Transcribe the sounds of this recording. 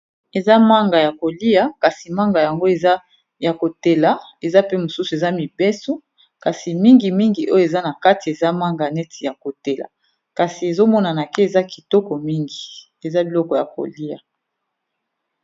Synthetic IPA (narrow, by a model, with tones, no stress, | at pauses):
e˨za˦ma˦ŋɡa˨ja˨ko˨li˦a˨ka˨si˨ma˦ŋɡa˨ja˨ŋɡo˦e˨za˦ | ja˨ko˨te˨la˨˦e˨za˦pe˦mo˨su˦su˨e˨za˦mi˨bɛ˦su˦ | ka˨si˨mi˦ŋɡi˨mi˦ŋɡi˨ʔo˦jo˦e˨za˦na˨ka˦ti˨e˨za˦ma˦ŋɡa˨nɛ˦tʰi˨ja˨ko˨te˨la̰˨ | ka˨si˨e˨zo˦mɔ˦na˨na˨ke˦e˨za˦ki˨tɔ˦kɔ˨mi˦ŋɡi˨ | e˨za˦bi˨lɔ˦kɔ˨ja̰˨ko̰˨li˦a̰˨